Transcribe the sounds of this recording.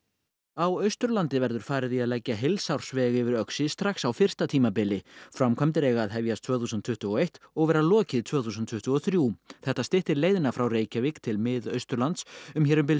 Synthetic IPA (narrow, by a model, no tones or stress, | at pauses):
awœɥst̪ɾʏlant̪ɪvɛɾðʏɾ̥faːɾɪðiaðlɛcːaɦejlsawr̥svɛɣʏvɪɾœksɪst̪ɾaxsawfɪr̥st̪at̪ʰiːmapɪlɪfɾamkʰvamt̪ɪɾeːjɣaːðɦɛvjast̪ʰvœːθuːsʏnt̪ʰʏht̪ʏɔejht̪ɔɣvɛːɾalɔːcɪðt̪ʰvœːθuːsʏnt̪ʰʏht̪ʏɔθɾjuːθɛht̪ast̪ɪht̪ɪɾleːjðɪnafɾawreːjcavɪkt̪ʰɪlmɪðœɥst̪ɾʏlant̪sʏmçɛːɾʏmp̬ɪl